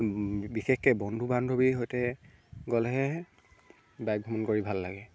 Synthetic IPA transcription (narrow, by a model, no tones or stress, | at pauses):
bixɛxkɛbɔndʱubandʱobiɦojtɛ | ɡɔlɦɛ | bajk̚bʱɔmɔnkoɹibʱalːaɡɛ